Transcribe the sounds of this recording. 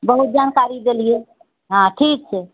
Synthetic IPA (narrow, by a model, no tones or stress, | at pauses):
bəɦut̪̚d͡ʒankaɾid̪elije | ɦãʈʰik̚t͡ʃʰɛ